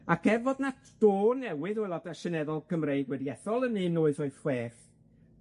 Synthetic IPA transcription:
akʰɛvɔdnatʰd̥oːnɛwɨðɔlˠɔdaʃɛnɛðɔlˠkʰəmreɨɡwɛdiɛθɔlˠənɨnoːɨðɔɨθweːrθ

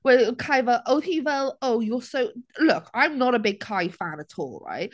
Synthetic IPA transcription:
wɛkʰãɪvəʔoʊθivɛlˠoʊjəsoʊlʊkʰãɪ̃mnəɾəbɪɡ̚kʰaɪfãnətʰɔ̰ːlˠɹa̰ɪʔ

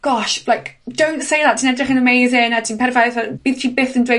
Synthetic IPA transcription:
ɡ̥ɔʃlajkʰd̥owntsejðatʰiːnɛdrɪχə̃nəmejzɪnatʰiːnpʰɛɾvajθab̥iːð̥tʰibɪθə̃ndwe

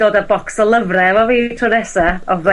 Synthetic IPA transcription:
oːdəbɔksɔlˠəvrɛvɔviːtʰɔɾɛsaɔvə

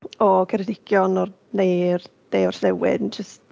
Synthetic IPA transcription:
ɔkʰɛɾɛdɪkʰjɔnɔr | nejr | d̥ejɔrɬlɛwɪ̰nd͡ʒəst

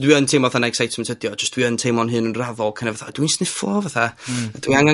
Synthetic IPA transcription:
dwiəntʰejmɔvaθanɛɡsajtsməntʰədjɔd͡ʒəsd̥wiəntʰejmɔnɦɨːnənravɔlˠkʰənɛvaθad̥winsnɪfɔ̰vaθad̥wiaŋa

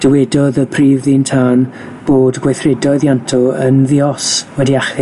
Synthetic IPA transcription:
d̥əwɛdɔðəpʰriːvðintʰaːn | b̥oːdɡwajθrɛdɔɨðjantʰɔənðiɔswɛdiaχɪ

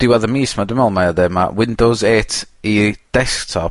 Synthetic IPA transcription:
d̥ɪwaðəmiːsmadɪmɔlˠmajadɛma̰wɪndozeːtʰid̥ɛsk̚tʰɔp

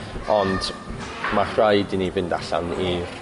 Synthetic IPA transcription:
ɔnd | marrajdinivɪndaɬa̰ni

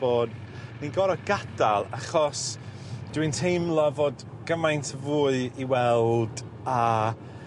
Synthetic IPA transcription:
oːd | ninɡɔɾɔɡ̥ad̥alˠaχɔs | d̥wintʰejmlˠɔvoːd | ɡ̥əmajntʰəvuːɨiwɛlˠd | a

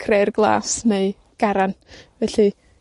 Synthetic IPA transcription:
kʰrejrɡlˠa̰ːsneɨ | ɡ̥aɾanvɛɬi

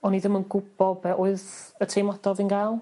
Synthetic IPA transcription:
ɔniðɪmənɡʊb̥ɔbɛʔʊɨðətʰejmɔd̥ɔvinɡajlˠ

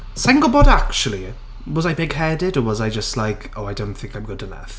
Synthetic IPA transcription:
sɛŋɡəlˠbɔdakt͡ʃuəlˠi | wɒzaɪbɪɡ̥hɛdɪdəwɒzaɪd͡ʒəstˡlaɪkʰoʊaɪdõʊ̃nθɪ̃ŋkʰãɪ̃mɡʊd̥ʰənɛ̰f

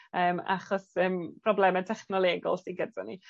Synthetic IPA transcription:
əːma̰χɔsəːmpʰrɔblˠɛmɛntʰɛχnɔlˠeːɡɔ̰lˠsiɡədɔni

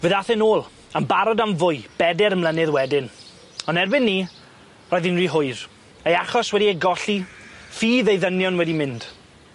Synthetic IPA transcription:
vɨðaθɛnoːlˠ | əmbaɾɔdamvʊɨb̥ɛdɛɾəmlˠənɨðwɛdɪn | ɔnɛrbɪnːiː | rɔːjðɪnriɦʊɨð | ejaχɔswɛdiejɡɔɬifiːðejðənjɔnwɛdimɪnd̥

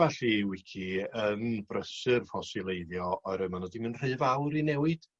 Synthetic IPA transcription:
aɬiwɪkʰiənbrəsɨrfɔsɨlˠejðjɔɔɨɾəmanɔdimənr̥ɨːvawɾinɛwɨd̥

